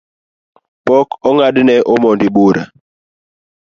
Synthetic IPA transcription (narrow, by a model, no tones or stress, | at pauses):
pɔkɔŋadnɛʔɔmɔndiɓoɾa̰